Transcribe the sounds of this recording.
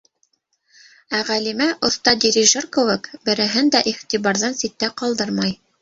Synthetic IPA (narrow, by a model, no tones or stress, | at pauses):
æʁælimæʔŏθt̪ɑd̪ʲiɾʲiʒɤrkŏwɘkbɘ̆ɾɘ̆ɦɘnd̪æʔiχt̪ʲiβɑɾðɑnsit̪ːæqɑlˠd̪ɤɾmɑj